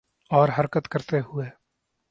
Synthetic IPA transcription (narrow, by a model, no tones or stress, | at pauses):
ɔːɾɦɐɾkət̪kəɾt̪eɦʊeː